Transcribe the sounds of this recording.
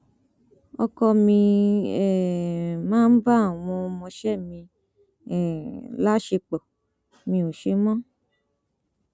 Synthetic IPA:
ɔ̰˧kɔ˧mĩ˧ɛ˦˨mãː˦n̩˦ba˦˨w̃ɔ̃˧mɔ̃˧ʃɛ˦˨mĩ˧ | ɛ˨la˦ʃe˧k͡pɔ˨ | mĩ˧o˨ʃe˨˦mɔ̃˦

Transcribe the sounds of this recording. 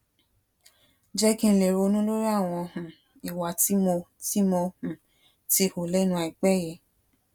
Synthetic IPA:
d͡ʒɛ˦kĩ˧n̩˧le˨ɾo˧nũ˦lo˦ɾi˦a˦˨w̃ɔ̃˧hũ˨ | i˨wa˨ti˨˦mo˧ti˦mɔ˧hũ˨ | ti˦ho˨lɛ˦nũ˧˦a˧˨i˨k͡pɛ˦˨jɛ˧

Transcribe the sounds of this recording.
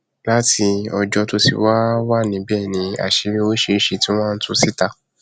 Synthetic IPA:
la˦tʰi˧ɔ˧d͡ʒɔ˧to˦sḭ˧wa˦wa˦˨nĩ˨˦bɛː˦˨nĩ˨˦a̰˨ʃe˧ɾe˦o˦ʃe˧˦ʃe˧tĩ˦w̃ɔ̃˦˧n̩˦tũ˧˦si˦ta˧˨

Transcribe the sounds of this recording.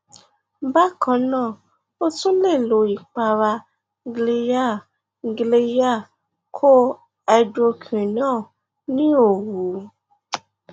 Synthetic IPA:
ba˦kʰɔ̃˨˦nãː˦˨ | o˦tũ˦le˦˨lo˨˦i˨k͡pa˧ɾa˧ | ɡle˧ja˦˨ | ɡle˧ja˦˨ | kʰo˦ | ɛ˧do˧kʰĩ˨nãː˦˨ | nĩ˦o˨wu˨˦

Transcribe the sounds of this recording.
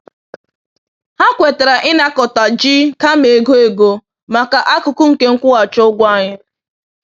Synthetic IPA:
ha˦kʷe˨te˨ɾa˨ʔɪ˦na˦kɔ˨ta˨d͡ʒi˦ka˦me˨ɡo˦e˨ɡo˨ | ma˨ka˨ʔa˦kʊ˨kʊ˦ŋ̩˨ke˦ŋ̩˦kʷʊ˦ɣa˨t͡ʃo˦ɡʷa˦ɲɪ˦

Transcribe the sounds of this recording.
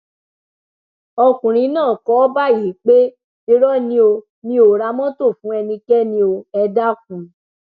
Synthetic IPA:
ɔ˧kũ˨ɾ̃ĩ˨˦nãː˦˨kɔ˨˦ba˦˨ji˨˦k͡pe˦ | i˧ɾɔ˦nĩ˦o˧ | nĩ˦o˨ɾa˧˦mɔ̃˦to˦˨fũ˨˦ɛ˧nĩ˧kɛ˦nĩ˧˦o˧ɛ˧da˦k̚ũ˨˧˦

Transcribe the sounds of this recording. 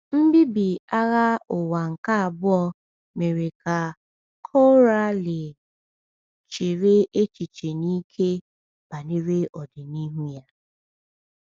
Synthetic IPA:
m̩˦bi˦bi˨a˦ɣa˦ʊ˨wa˨ŋ̩˨ka˦a˨bʊ˦ɔ˦ | me˨ɾe˨ka˨ | kʰɔ˦ɾa˦le˨ | t͡ʃe˨ɾe˦e˦t͡ʃi˨t͡ʃe˨niː˦kʰe˦ | b̥a˨ne˦ɾe˦ʔɔ˨dɪ˨ni˦ɦu˦ja˦

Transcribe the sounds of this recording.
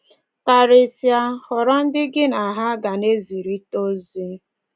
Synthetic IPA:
ka˨ɾe˨sja˦hɔ˨ɾɔ˦n̩˦dɪ˦ɡɪ˦na˨ɦa˦ɡa˨ne˦zi˨ɾi˦to˦zi˦

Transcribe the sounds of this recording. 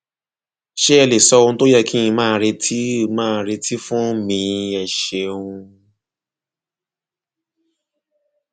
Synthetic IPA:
ʃe˦ɛ˧le˨sɔ˧ũ˧˦to˦jɛ˦˧˨kĩ˦ĩ˧mãː˦˧˦ɾe˧tʰi˦˧mãː˦˧˦ɾe˧tʰi˦fũ˦mĩ˧ɛ˧˨ʃe˧ũ˧

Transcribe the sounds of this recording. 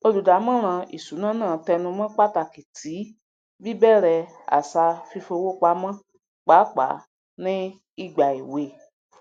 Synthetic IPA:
o˧lu˨da˨˦mã˦ɾ̃ã˧ḭ˨su˨˦nã˦nãː˦˨tɛ˧nũ˧mã˦k͡pa˦ta˧˨ki˨tʰi˨˦ | bi˦bɛ˦˨ɾɛ˧ | a̰˨sa˧fi˧fo˧wo˦k͡pa˧˦mã˦ | k͡pa˨˦k͡pa̰˨˦ | nĩ˦ | i˦ɡ͡ba˨i˨we˧˨

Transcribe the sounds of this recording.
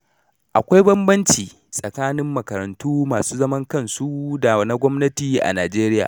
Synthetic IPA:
ʔa˨kʷa˦jbɐ˦mbɐ˦nt͡ʃiː˨ | sʼɐ˨kaː˦nɪ˦mːɐ˨kɐ˨ɾɐ˨ntuː˦maː˨suː˦zɐ˦mɐ˦ŋkɐ˦˨nsu˦da˨na˦ɡʷɔ˦mnɐ˦tiː˨ʔa̰˨naː˨d͡ʒeː˦ɾɪ˦ja̰ː˨

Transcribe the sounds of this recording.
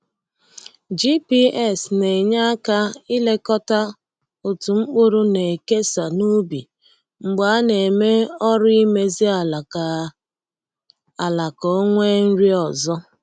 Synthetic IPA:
d͡ʒi˦pi˦ɛ˦˨sne˨ɲa˦ka˦i˦le˦kɔ˦ta˦ | o˨tu˨ŋ͡m̩˦k͡pʊ˦ɾʊ˦ne˨e˨ke˦sa˨nu˦bi˨ | ŋ͡m̩˨ɡ͡ba˨a˦ne˨me˦ɔ˦ɾi˦me˦zi˦a˨ | a˨la˨kɔ˨˦o˦ŋʷe˦n̩˦ɾi˦ɔ˨zɔ˦

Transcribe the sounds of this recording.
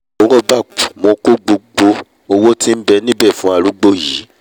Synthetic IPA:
o˨˦ɔ˦ba˦˨k͡pu˨mõ˨˧ko˦ɡ͡bo˧ɡ͡bo˧ | o˧wo˦ti˦m̩˦bɛ˧nĩ˦bɛ˦˨fũ˨˦a˦˨ɾu˨˦ɡ͡bo˦˨ji˨˦

